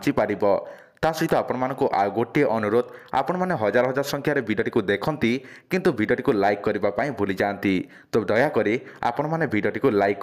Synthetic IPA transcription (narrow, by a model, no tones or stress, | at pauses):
t͡ʃipaɾibɔ | t̪asɾit̪ɔapɔɽ̃ɔmanɔŋkuʔa̰ɡoʈieʔɔnuɾod̪a̰pɔɽ̃ɔmaneɦɔd͡ʒaɾɔɦɔd͡ʒaɾɔsɔŋkʰjaɾebʱiɖoʈikud̪ekʰɔnt̪ikint̪ubʱiɖjoʈikulajkːɔɾibapaĩbʱulid͡ʒant̪i | t̪od̪ɔjakɔɾia̰pɔɽ̃ɔmanebʱiɖioʈikulajkː